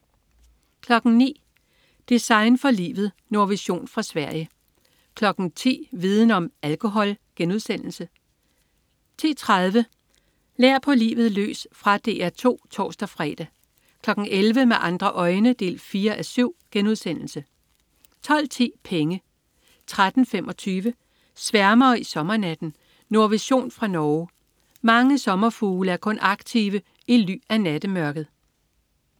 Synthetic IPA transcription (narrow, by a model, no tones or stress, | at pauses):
kʰlɒ̽ɡ̥ŋ̩nḭː | d̥isɑ̈ɪnfɒ̽lḭːʋð̞̩ˠ | no̝ɐʋiɕo̝̰ːnfʁɑ̈sʋæɐ̰jə | kʰlɒ̽ɡ̥n̩t͡sʰḭːʋið̞ˠn̩ɒ̽mælkʰo̝ɦɒ̽lɡ̥enuð̞ˠsen̰l̩sə | t͡sʰḭːt͡sʰʁað̞ˠʋə | leɐ̰pʰɒ̽lḭːʋð̩ˠlø̰ːsfʁɑ̈d̥e̝ːæɐt͡sʰo̝̰ːt͡sʰɒ̰ːsd̥æfʁɛːd̥æ | kʰlɒ̽ɡ̥n̩elʋəmeʔɑ̈nd̥ʁɐʔɒ̽ɪnəd̥e̝̰ːlfiːɐʔæsyʊ̰ɡ̥enuðˠsen̰l̩sə | t͡sʰɒ̽l̰t͡sʰḭːpʰeŋə | t͡sʰʁad̥n̩femʔɒ̽t͡sʰyːʋə | sʋæɐmɐːisɒ̽mɐnæd̥n̩ | no̝ɐʋiɕo̝̰ːnfʁɑ̈nɒːʊ | mɑ̈ŋəsɒ̽mɐfuːləæɐkʰɔ̽nʔɑ̈ɡ̥̚t͡sʰiʋə | ily̰ːænæd̥əmɶɐɡ̥ð̩ˠ